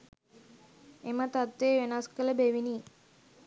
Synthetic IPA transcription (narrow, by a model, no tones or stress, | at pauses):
emət̪at̪ʋeːʋenaskələbeʋini